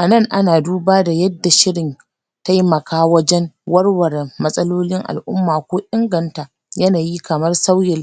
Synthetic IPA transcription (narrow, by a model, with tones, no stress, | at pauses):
ʔa˨nɐ˦˨ŋʔa˦naː˨duː˦baː˦da˨jɐ˦dːa˨ʃɪ˦ɽɪ˨n | ta˦jmɐ˨kʰaː˦wɐ˦d͡ʒɛ˦nwɐ˦rwɐ˨ɾmɐ˦sʼɐ˦loː˦lɪ˦ŋʔa̰˨lʔʊ̰˦mːaː˨kʷoː˦ʔɪ˦ŋɡɐ˨nta˨ | jɐ˦naː˨jiː˦kɐ˨mɐ˦rsa˦wjɪ˨l